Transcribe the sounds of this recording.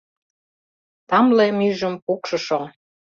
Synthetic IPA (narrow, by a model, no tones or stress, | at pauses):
t̪ɑmlemyʒə̆mpukʃɤ̆ʃo